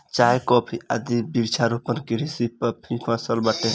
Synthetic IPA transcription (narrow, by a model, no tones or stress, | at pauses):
t͡ʃajkɔpʰia̰d̪ibiɾt͡ʃʰaɾupənkiɾisipəpʰĩpʰãsəlbaʈẽ